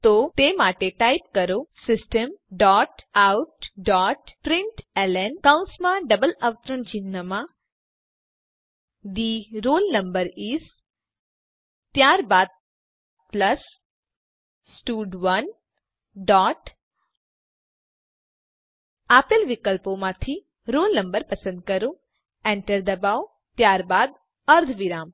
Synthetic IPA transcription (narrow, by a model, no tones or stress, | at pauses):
t̪ot̪emaʈeʈajpkəɾosɪsʈəmɖɔːʈawʈɖɔʈpɾɪɳʈɛlenkãnsmãɖəbələʋt̪ɾəɳt͡ʃinːəmã | d̪iɾolnəmbəɾis | t̪jaɾbaːd̪̚ | plɐs | sʈuːɖʋɐn | ɖɔːʈ | aːpəlʋikəlpomãt̪ʰi | ɾoːlnɐ̃mbəɾpɐsə̃nd̪̚kɐɾũ | ɛ̃ːɳʈəɾd̪ɐbaːo | t̪jaːɾbaːd̪ | tɐɾd̪ʱʋiɾaːm